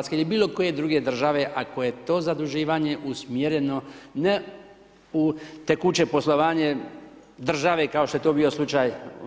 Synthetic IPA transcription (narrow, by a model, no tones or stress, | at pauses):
t̪skeilibiːlo̞ko̞je̞d̪ɾuːɡed̪r̩ʒaʋe̞ʔako̞je̞t̪o̞ːzad̪uʒiːʋaɲe̞ʔusmjeɾeno̞ne | ut̪ekut͡ʃe̞po̞slˠo̞ʋaːɲe | d̪r̩ʒaʋekao̞ʃt̪ojet̪oːbiːo̞slˠut͡ʃaːj